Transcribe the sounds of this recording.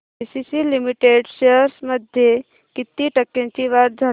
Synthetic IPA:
isisilimiʈeɖʃeəɾsməd̪ʱje | kit̪ːiʈəkːẽnt͡ʃiʋaɾ̚d̪ʱə

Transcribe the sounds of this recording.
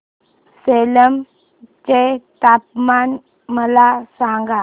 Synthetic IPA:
seləm | t͡ɕet̪ap̚man | məlasãŋɡa

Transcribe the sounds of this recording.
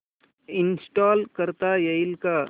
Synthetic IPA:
ɪnsʈaːlkəɾt̪ajɐɪlka

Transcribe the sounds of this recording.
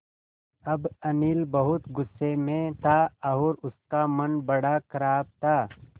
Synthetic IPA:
ɐbɐnilbɐɦʊt̪ɡʊsːemẽt̪ʰaːɐɔːɾʊskamɐnbɐɽakʰɐɾaːb̚t̪ʰaː

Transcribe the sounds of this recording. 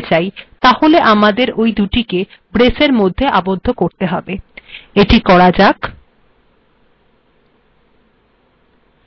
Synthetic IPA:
t͡ɕajt̪aholeʔamad̪eɾojd̪uʈike | bɾeseɾmod̪ʱːeʔabod̪ʱːokoɾt̪eɦɔbeeʈikɔɽad͡ʑak

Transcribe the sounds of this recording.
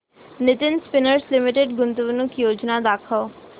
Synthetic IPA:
nɪt̪ɪnspɪnəɾslɪmɪʈeɖɡʊnt̪uʋnʊkjoːd͡ʒnad̪aːkʰəo

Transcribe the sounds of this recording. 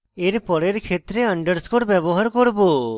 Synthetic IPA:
eɾpɔɽeɾkʰet̪ɾeəɳɖəɾskoʈbjɛbɔɦaɾkɔɾbo

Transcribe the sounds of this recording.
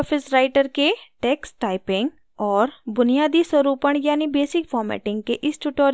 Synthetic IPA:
pʰɪsɾaːɪʈəɾkeʈɛːksʈaːɪpɪ̃ŋɡ | ɔːɾbʊnɪjaːd̪iswəɾuːpəɳjaːnibeːsɪkpʰɔːɾmɛ̰ːʈɪ̃ŋɡ̚keʔɪsʈuʈoːɾ

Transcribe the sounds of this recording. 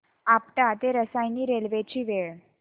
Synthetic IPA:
apʈat̪eɾəsajniɾelʋet͡ɕiːʋeɭ

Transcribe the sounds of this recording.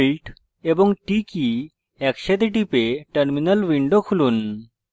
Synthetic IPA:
lʈ | ebəŋɡʈiki | ɛkɕet̪eʈ̬ipeʈəɾminəlʋiɳɖokʰuluːn

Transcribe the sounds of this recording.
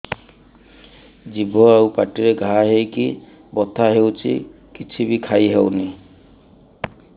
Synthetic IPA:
d͡ʒibʱɔawpaʈiɹeɡʱaaɦejki | bɔt̪ʰaɦewt͡ʃʰḭ | kit͡ʃʰibikʰajɦewni

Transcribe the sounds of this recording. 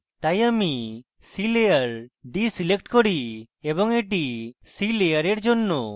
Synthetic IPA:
t̪ajami | silejaɾɖisilekʈkɔɽi | ebɔŋeʈisilejaɾeɾd͡ʒɔnːɔ

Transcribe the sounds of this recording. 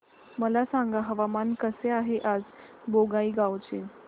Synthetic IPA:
məlasaŋɡaɦəʋamankəseaɦeʔad͡z | boɡaiːɡawt͡ɕe

